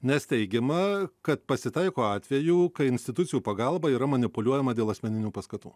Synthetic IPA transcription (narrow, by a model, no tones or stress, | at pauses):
nʲɛst̪ʲɛɪɡʲɛmɐkɐt̪pɐsʲɪt̪ɐɪkoːɑːt̪ʲʋʲɛjuːkɐɪɪnʲsʲt̪ʲɪt̪ʊt̪sʲɪjuːpɐɡɐlˠbɐiːɾɐmɐnʲɪpʊlʲuɔjɛmɐdʲeːlˠɐsʲmʲɛnʲɪnʲuːpɐskɐt̪ṵː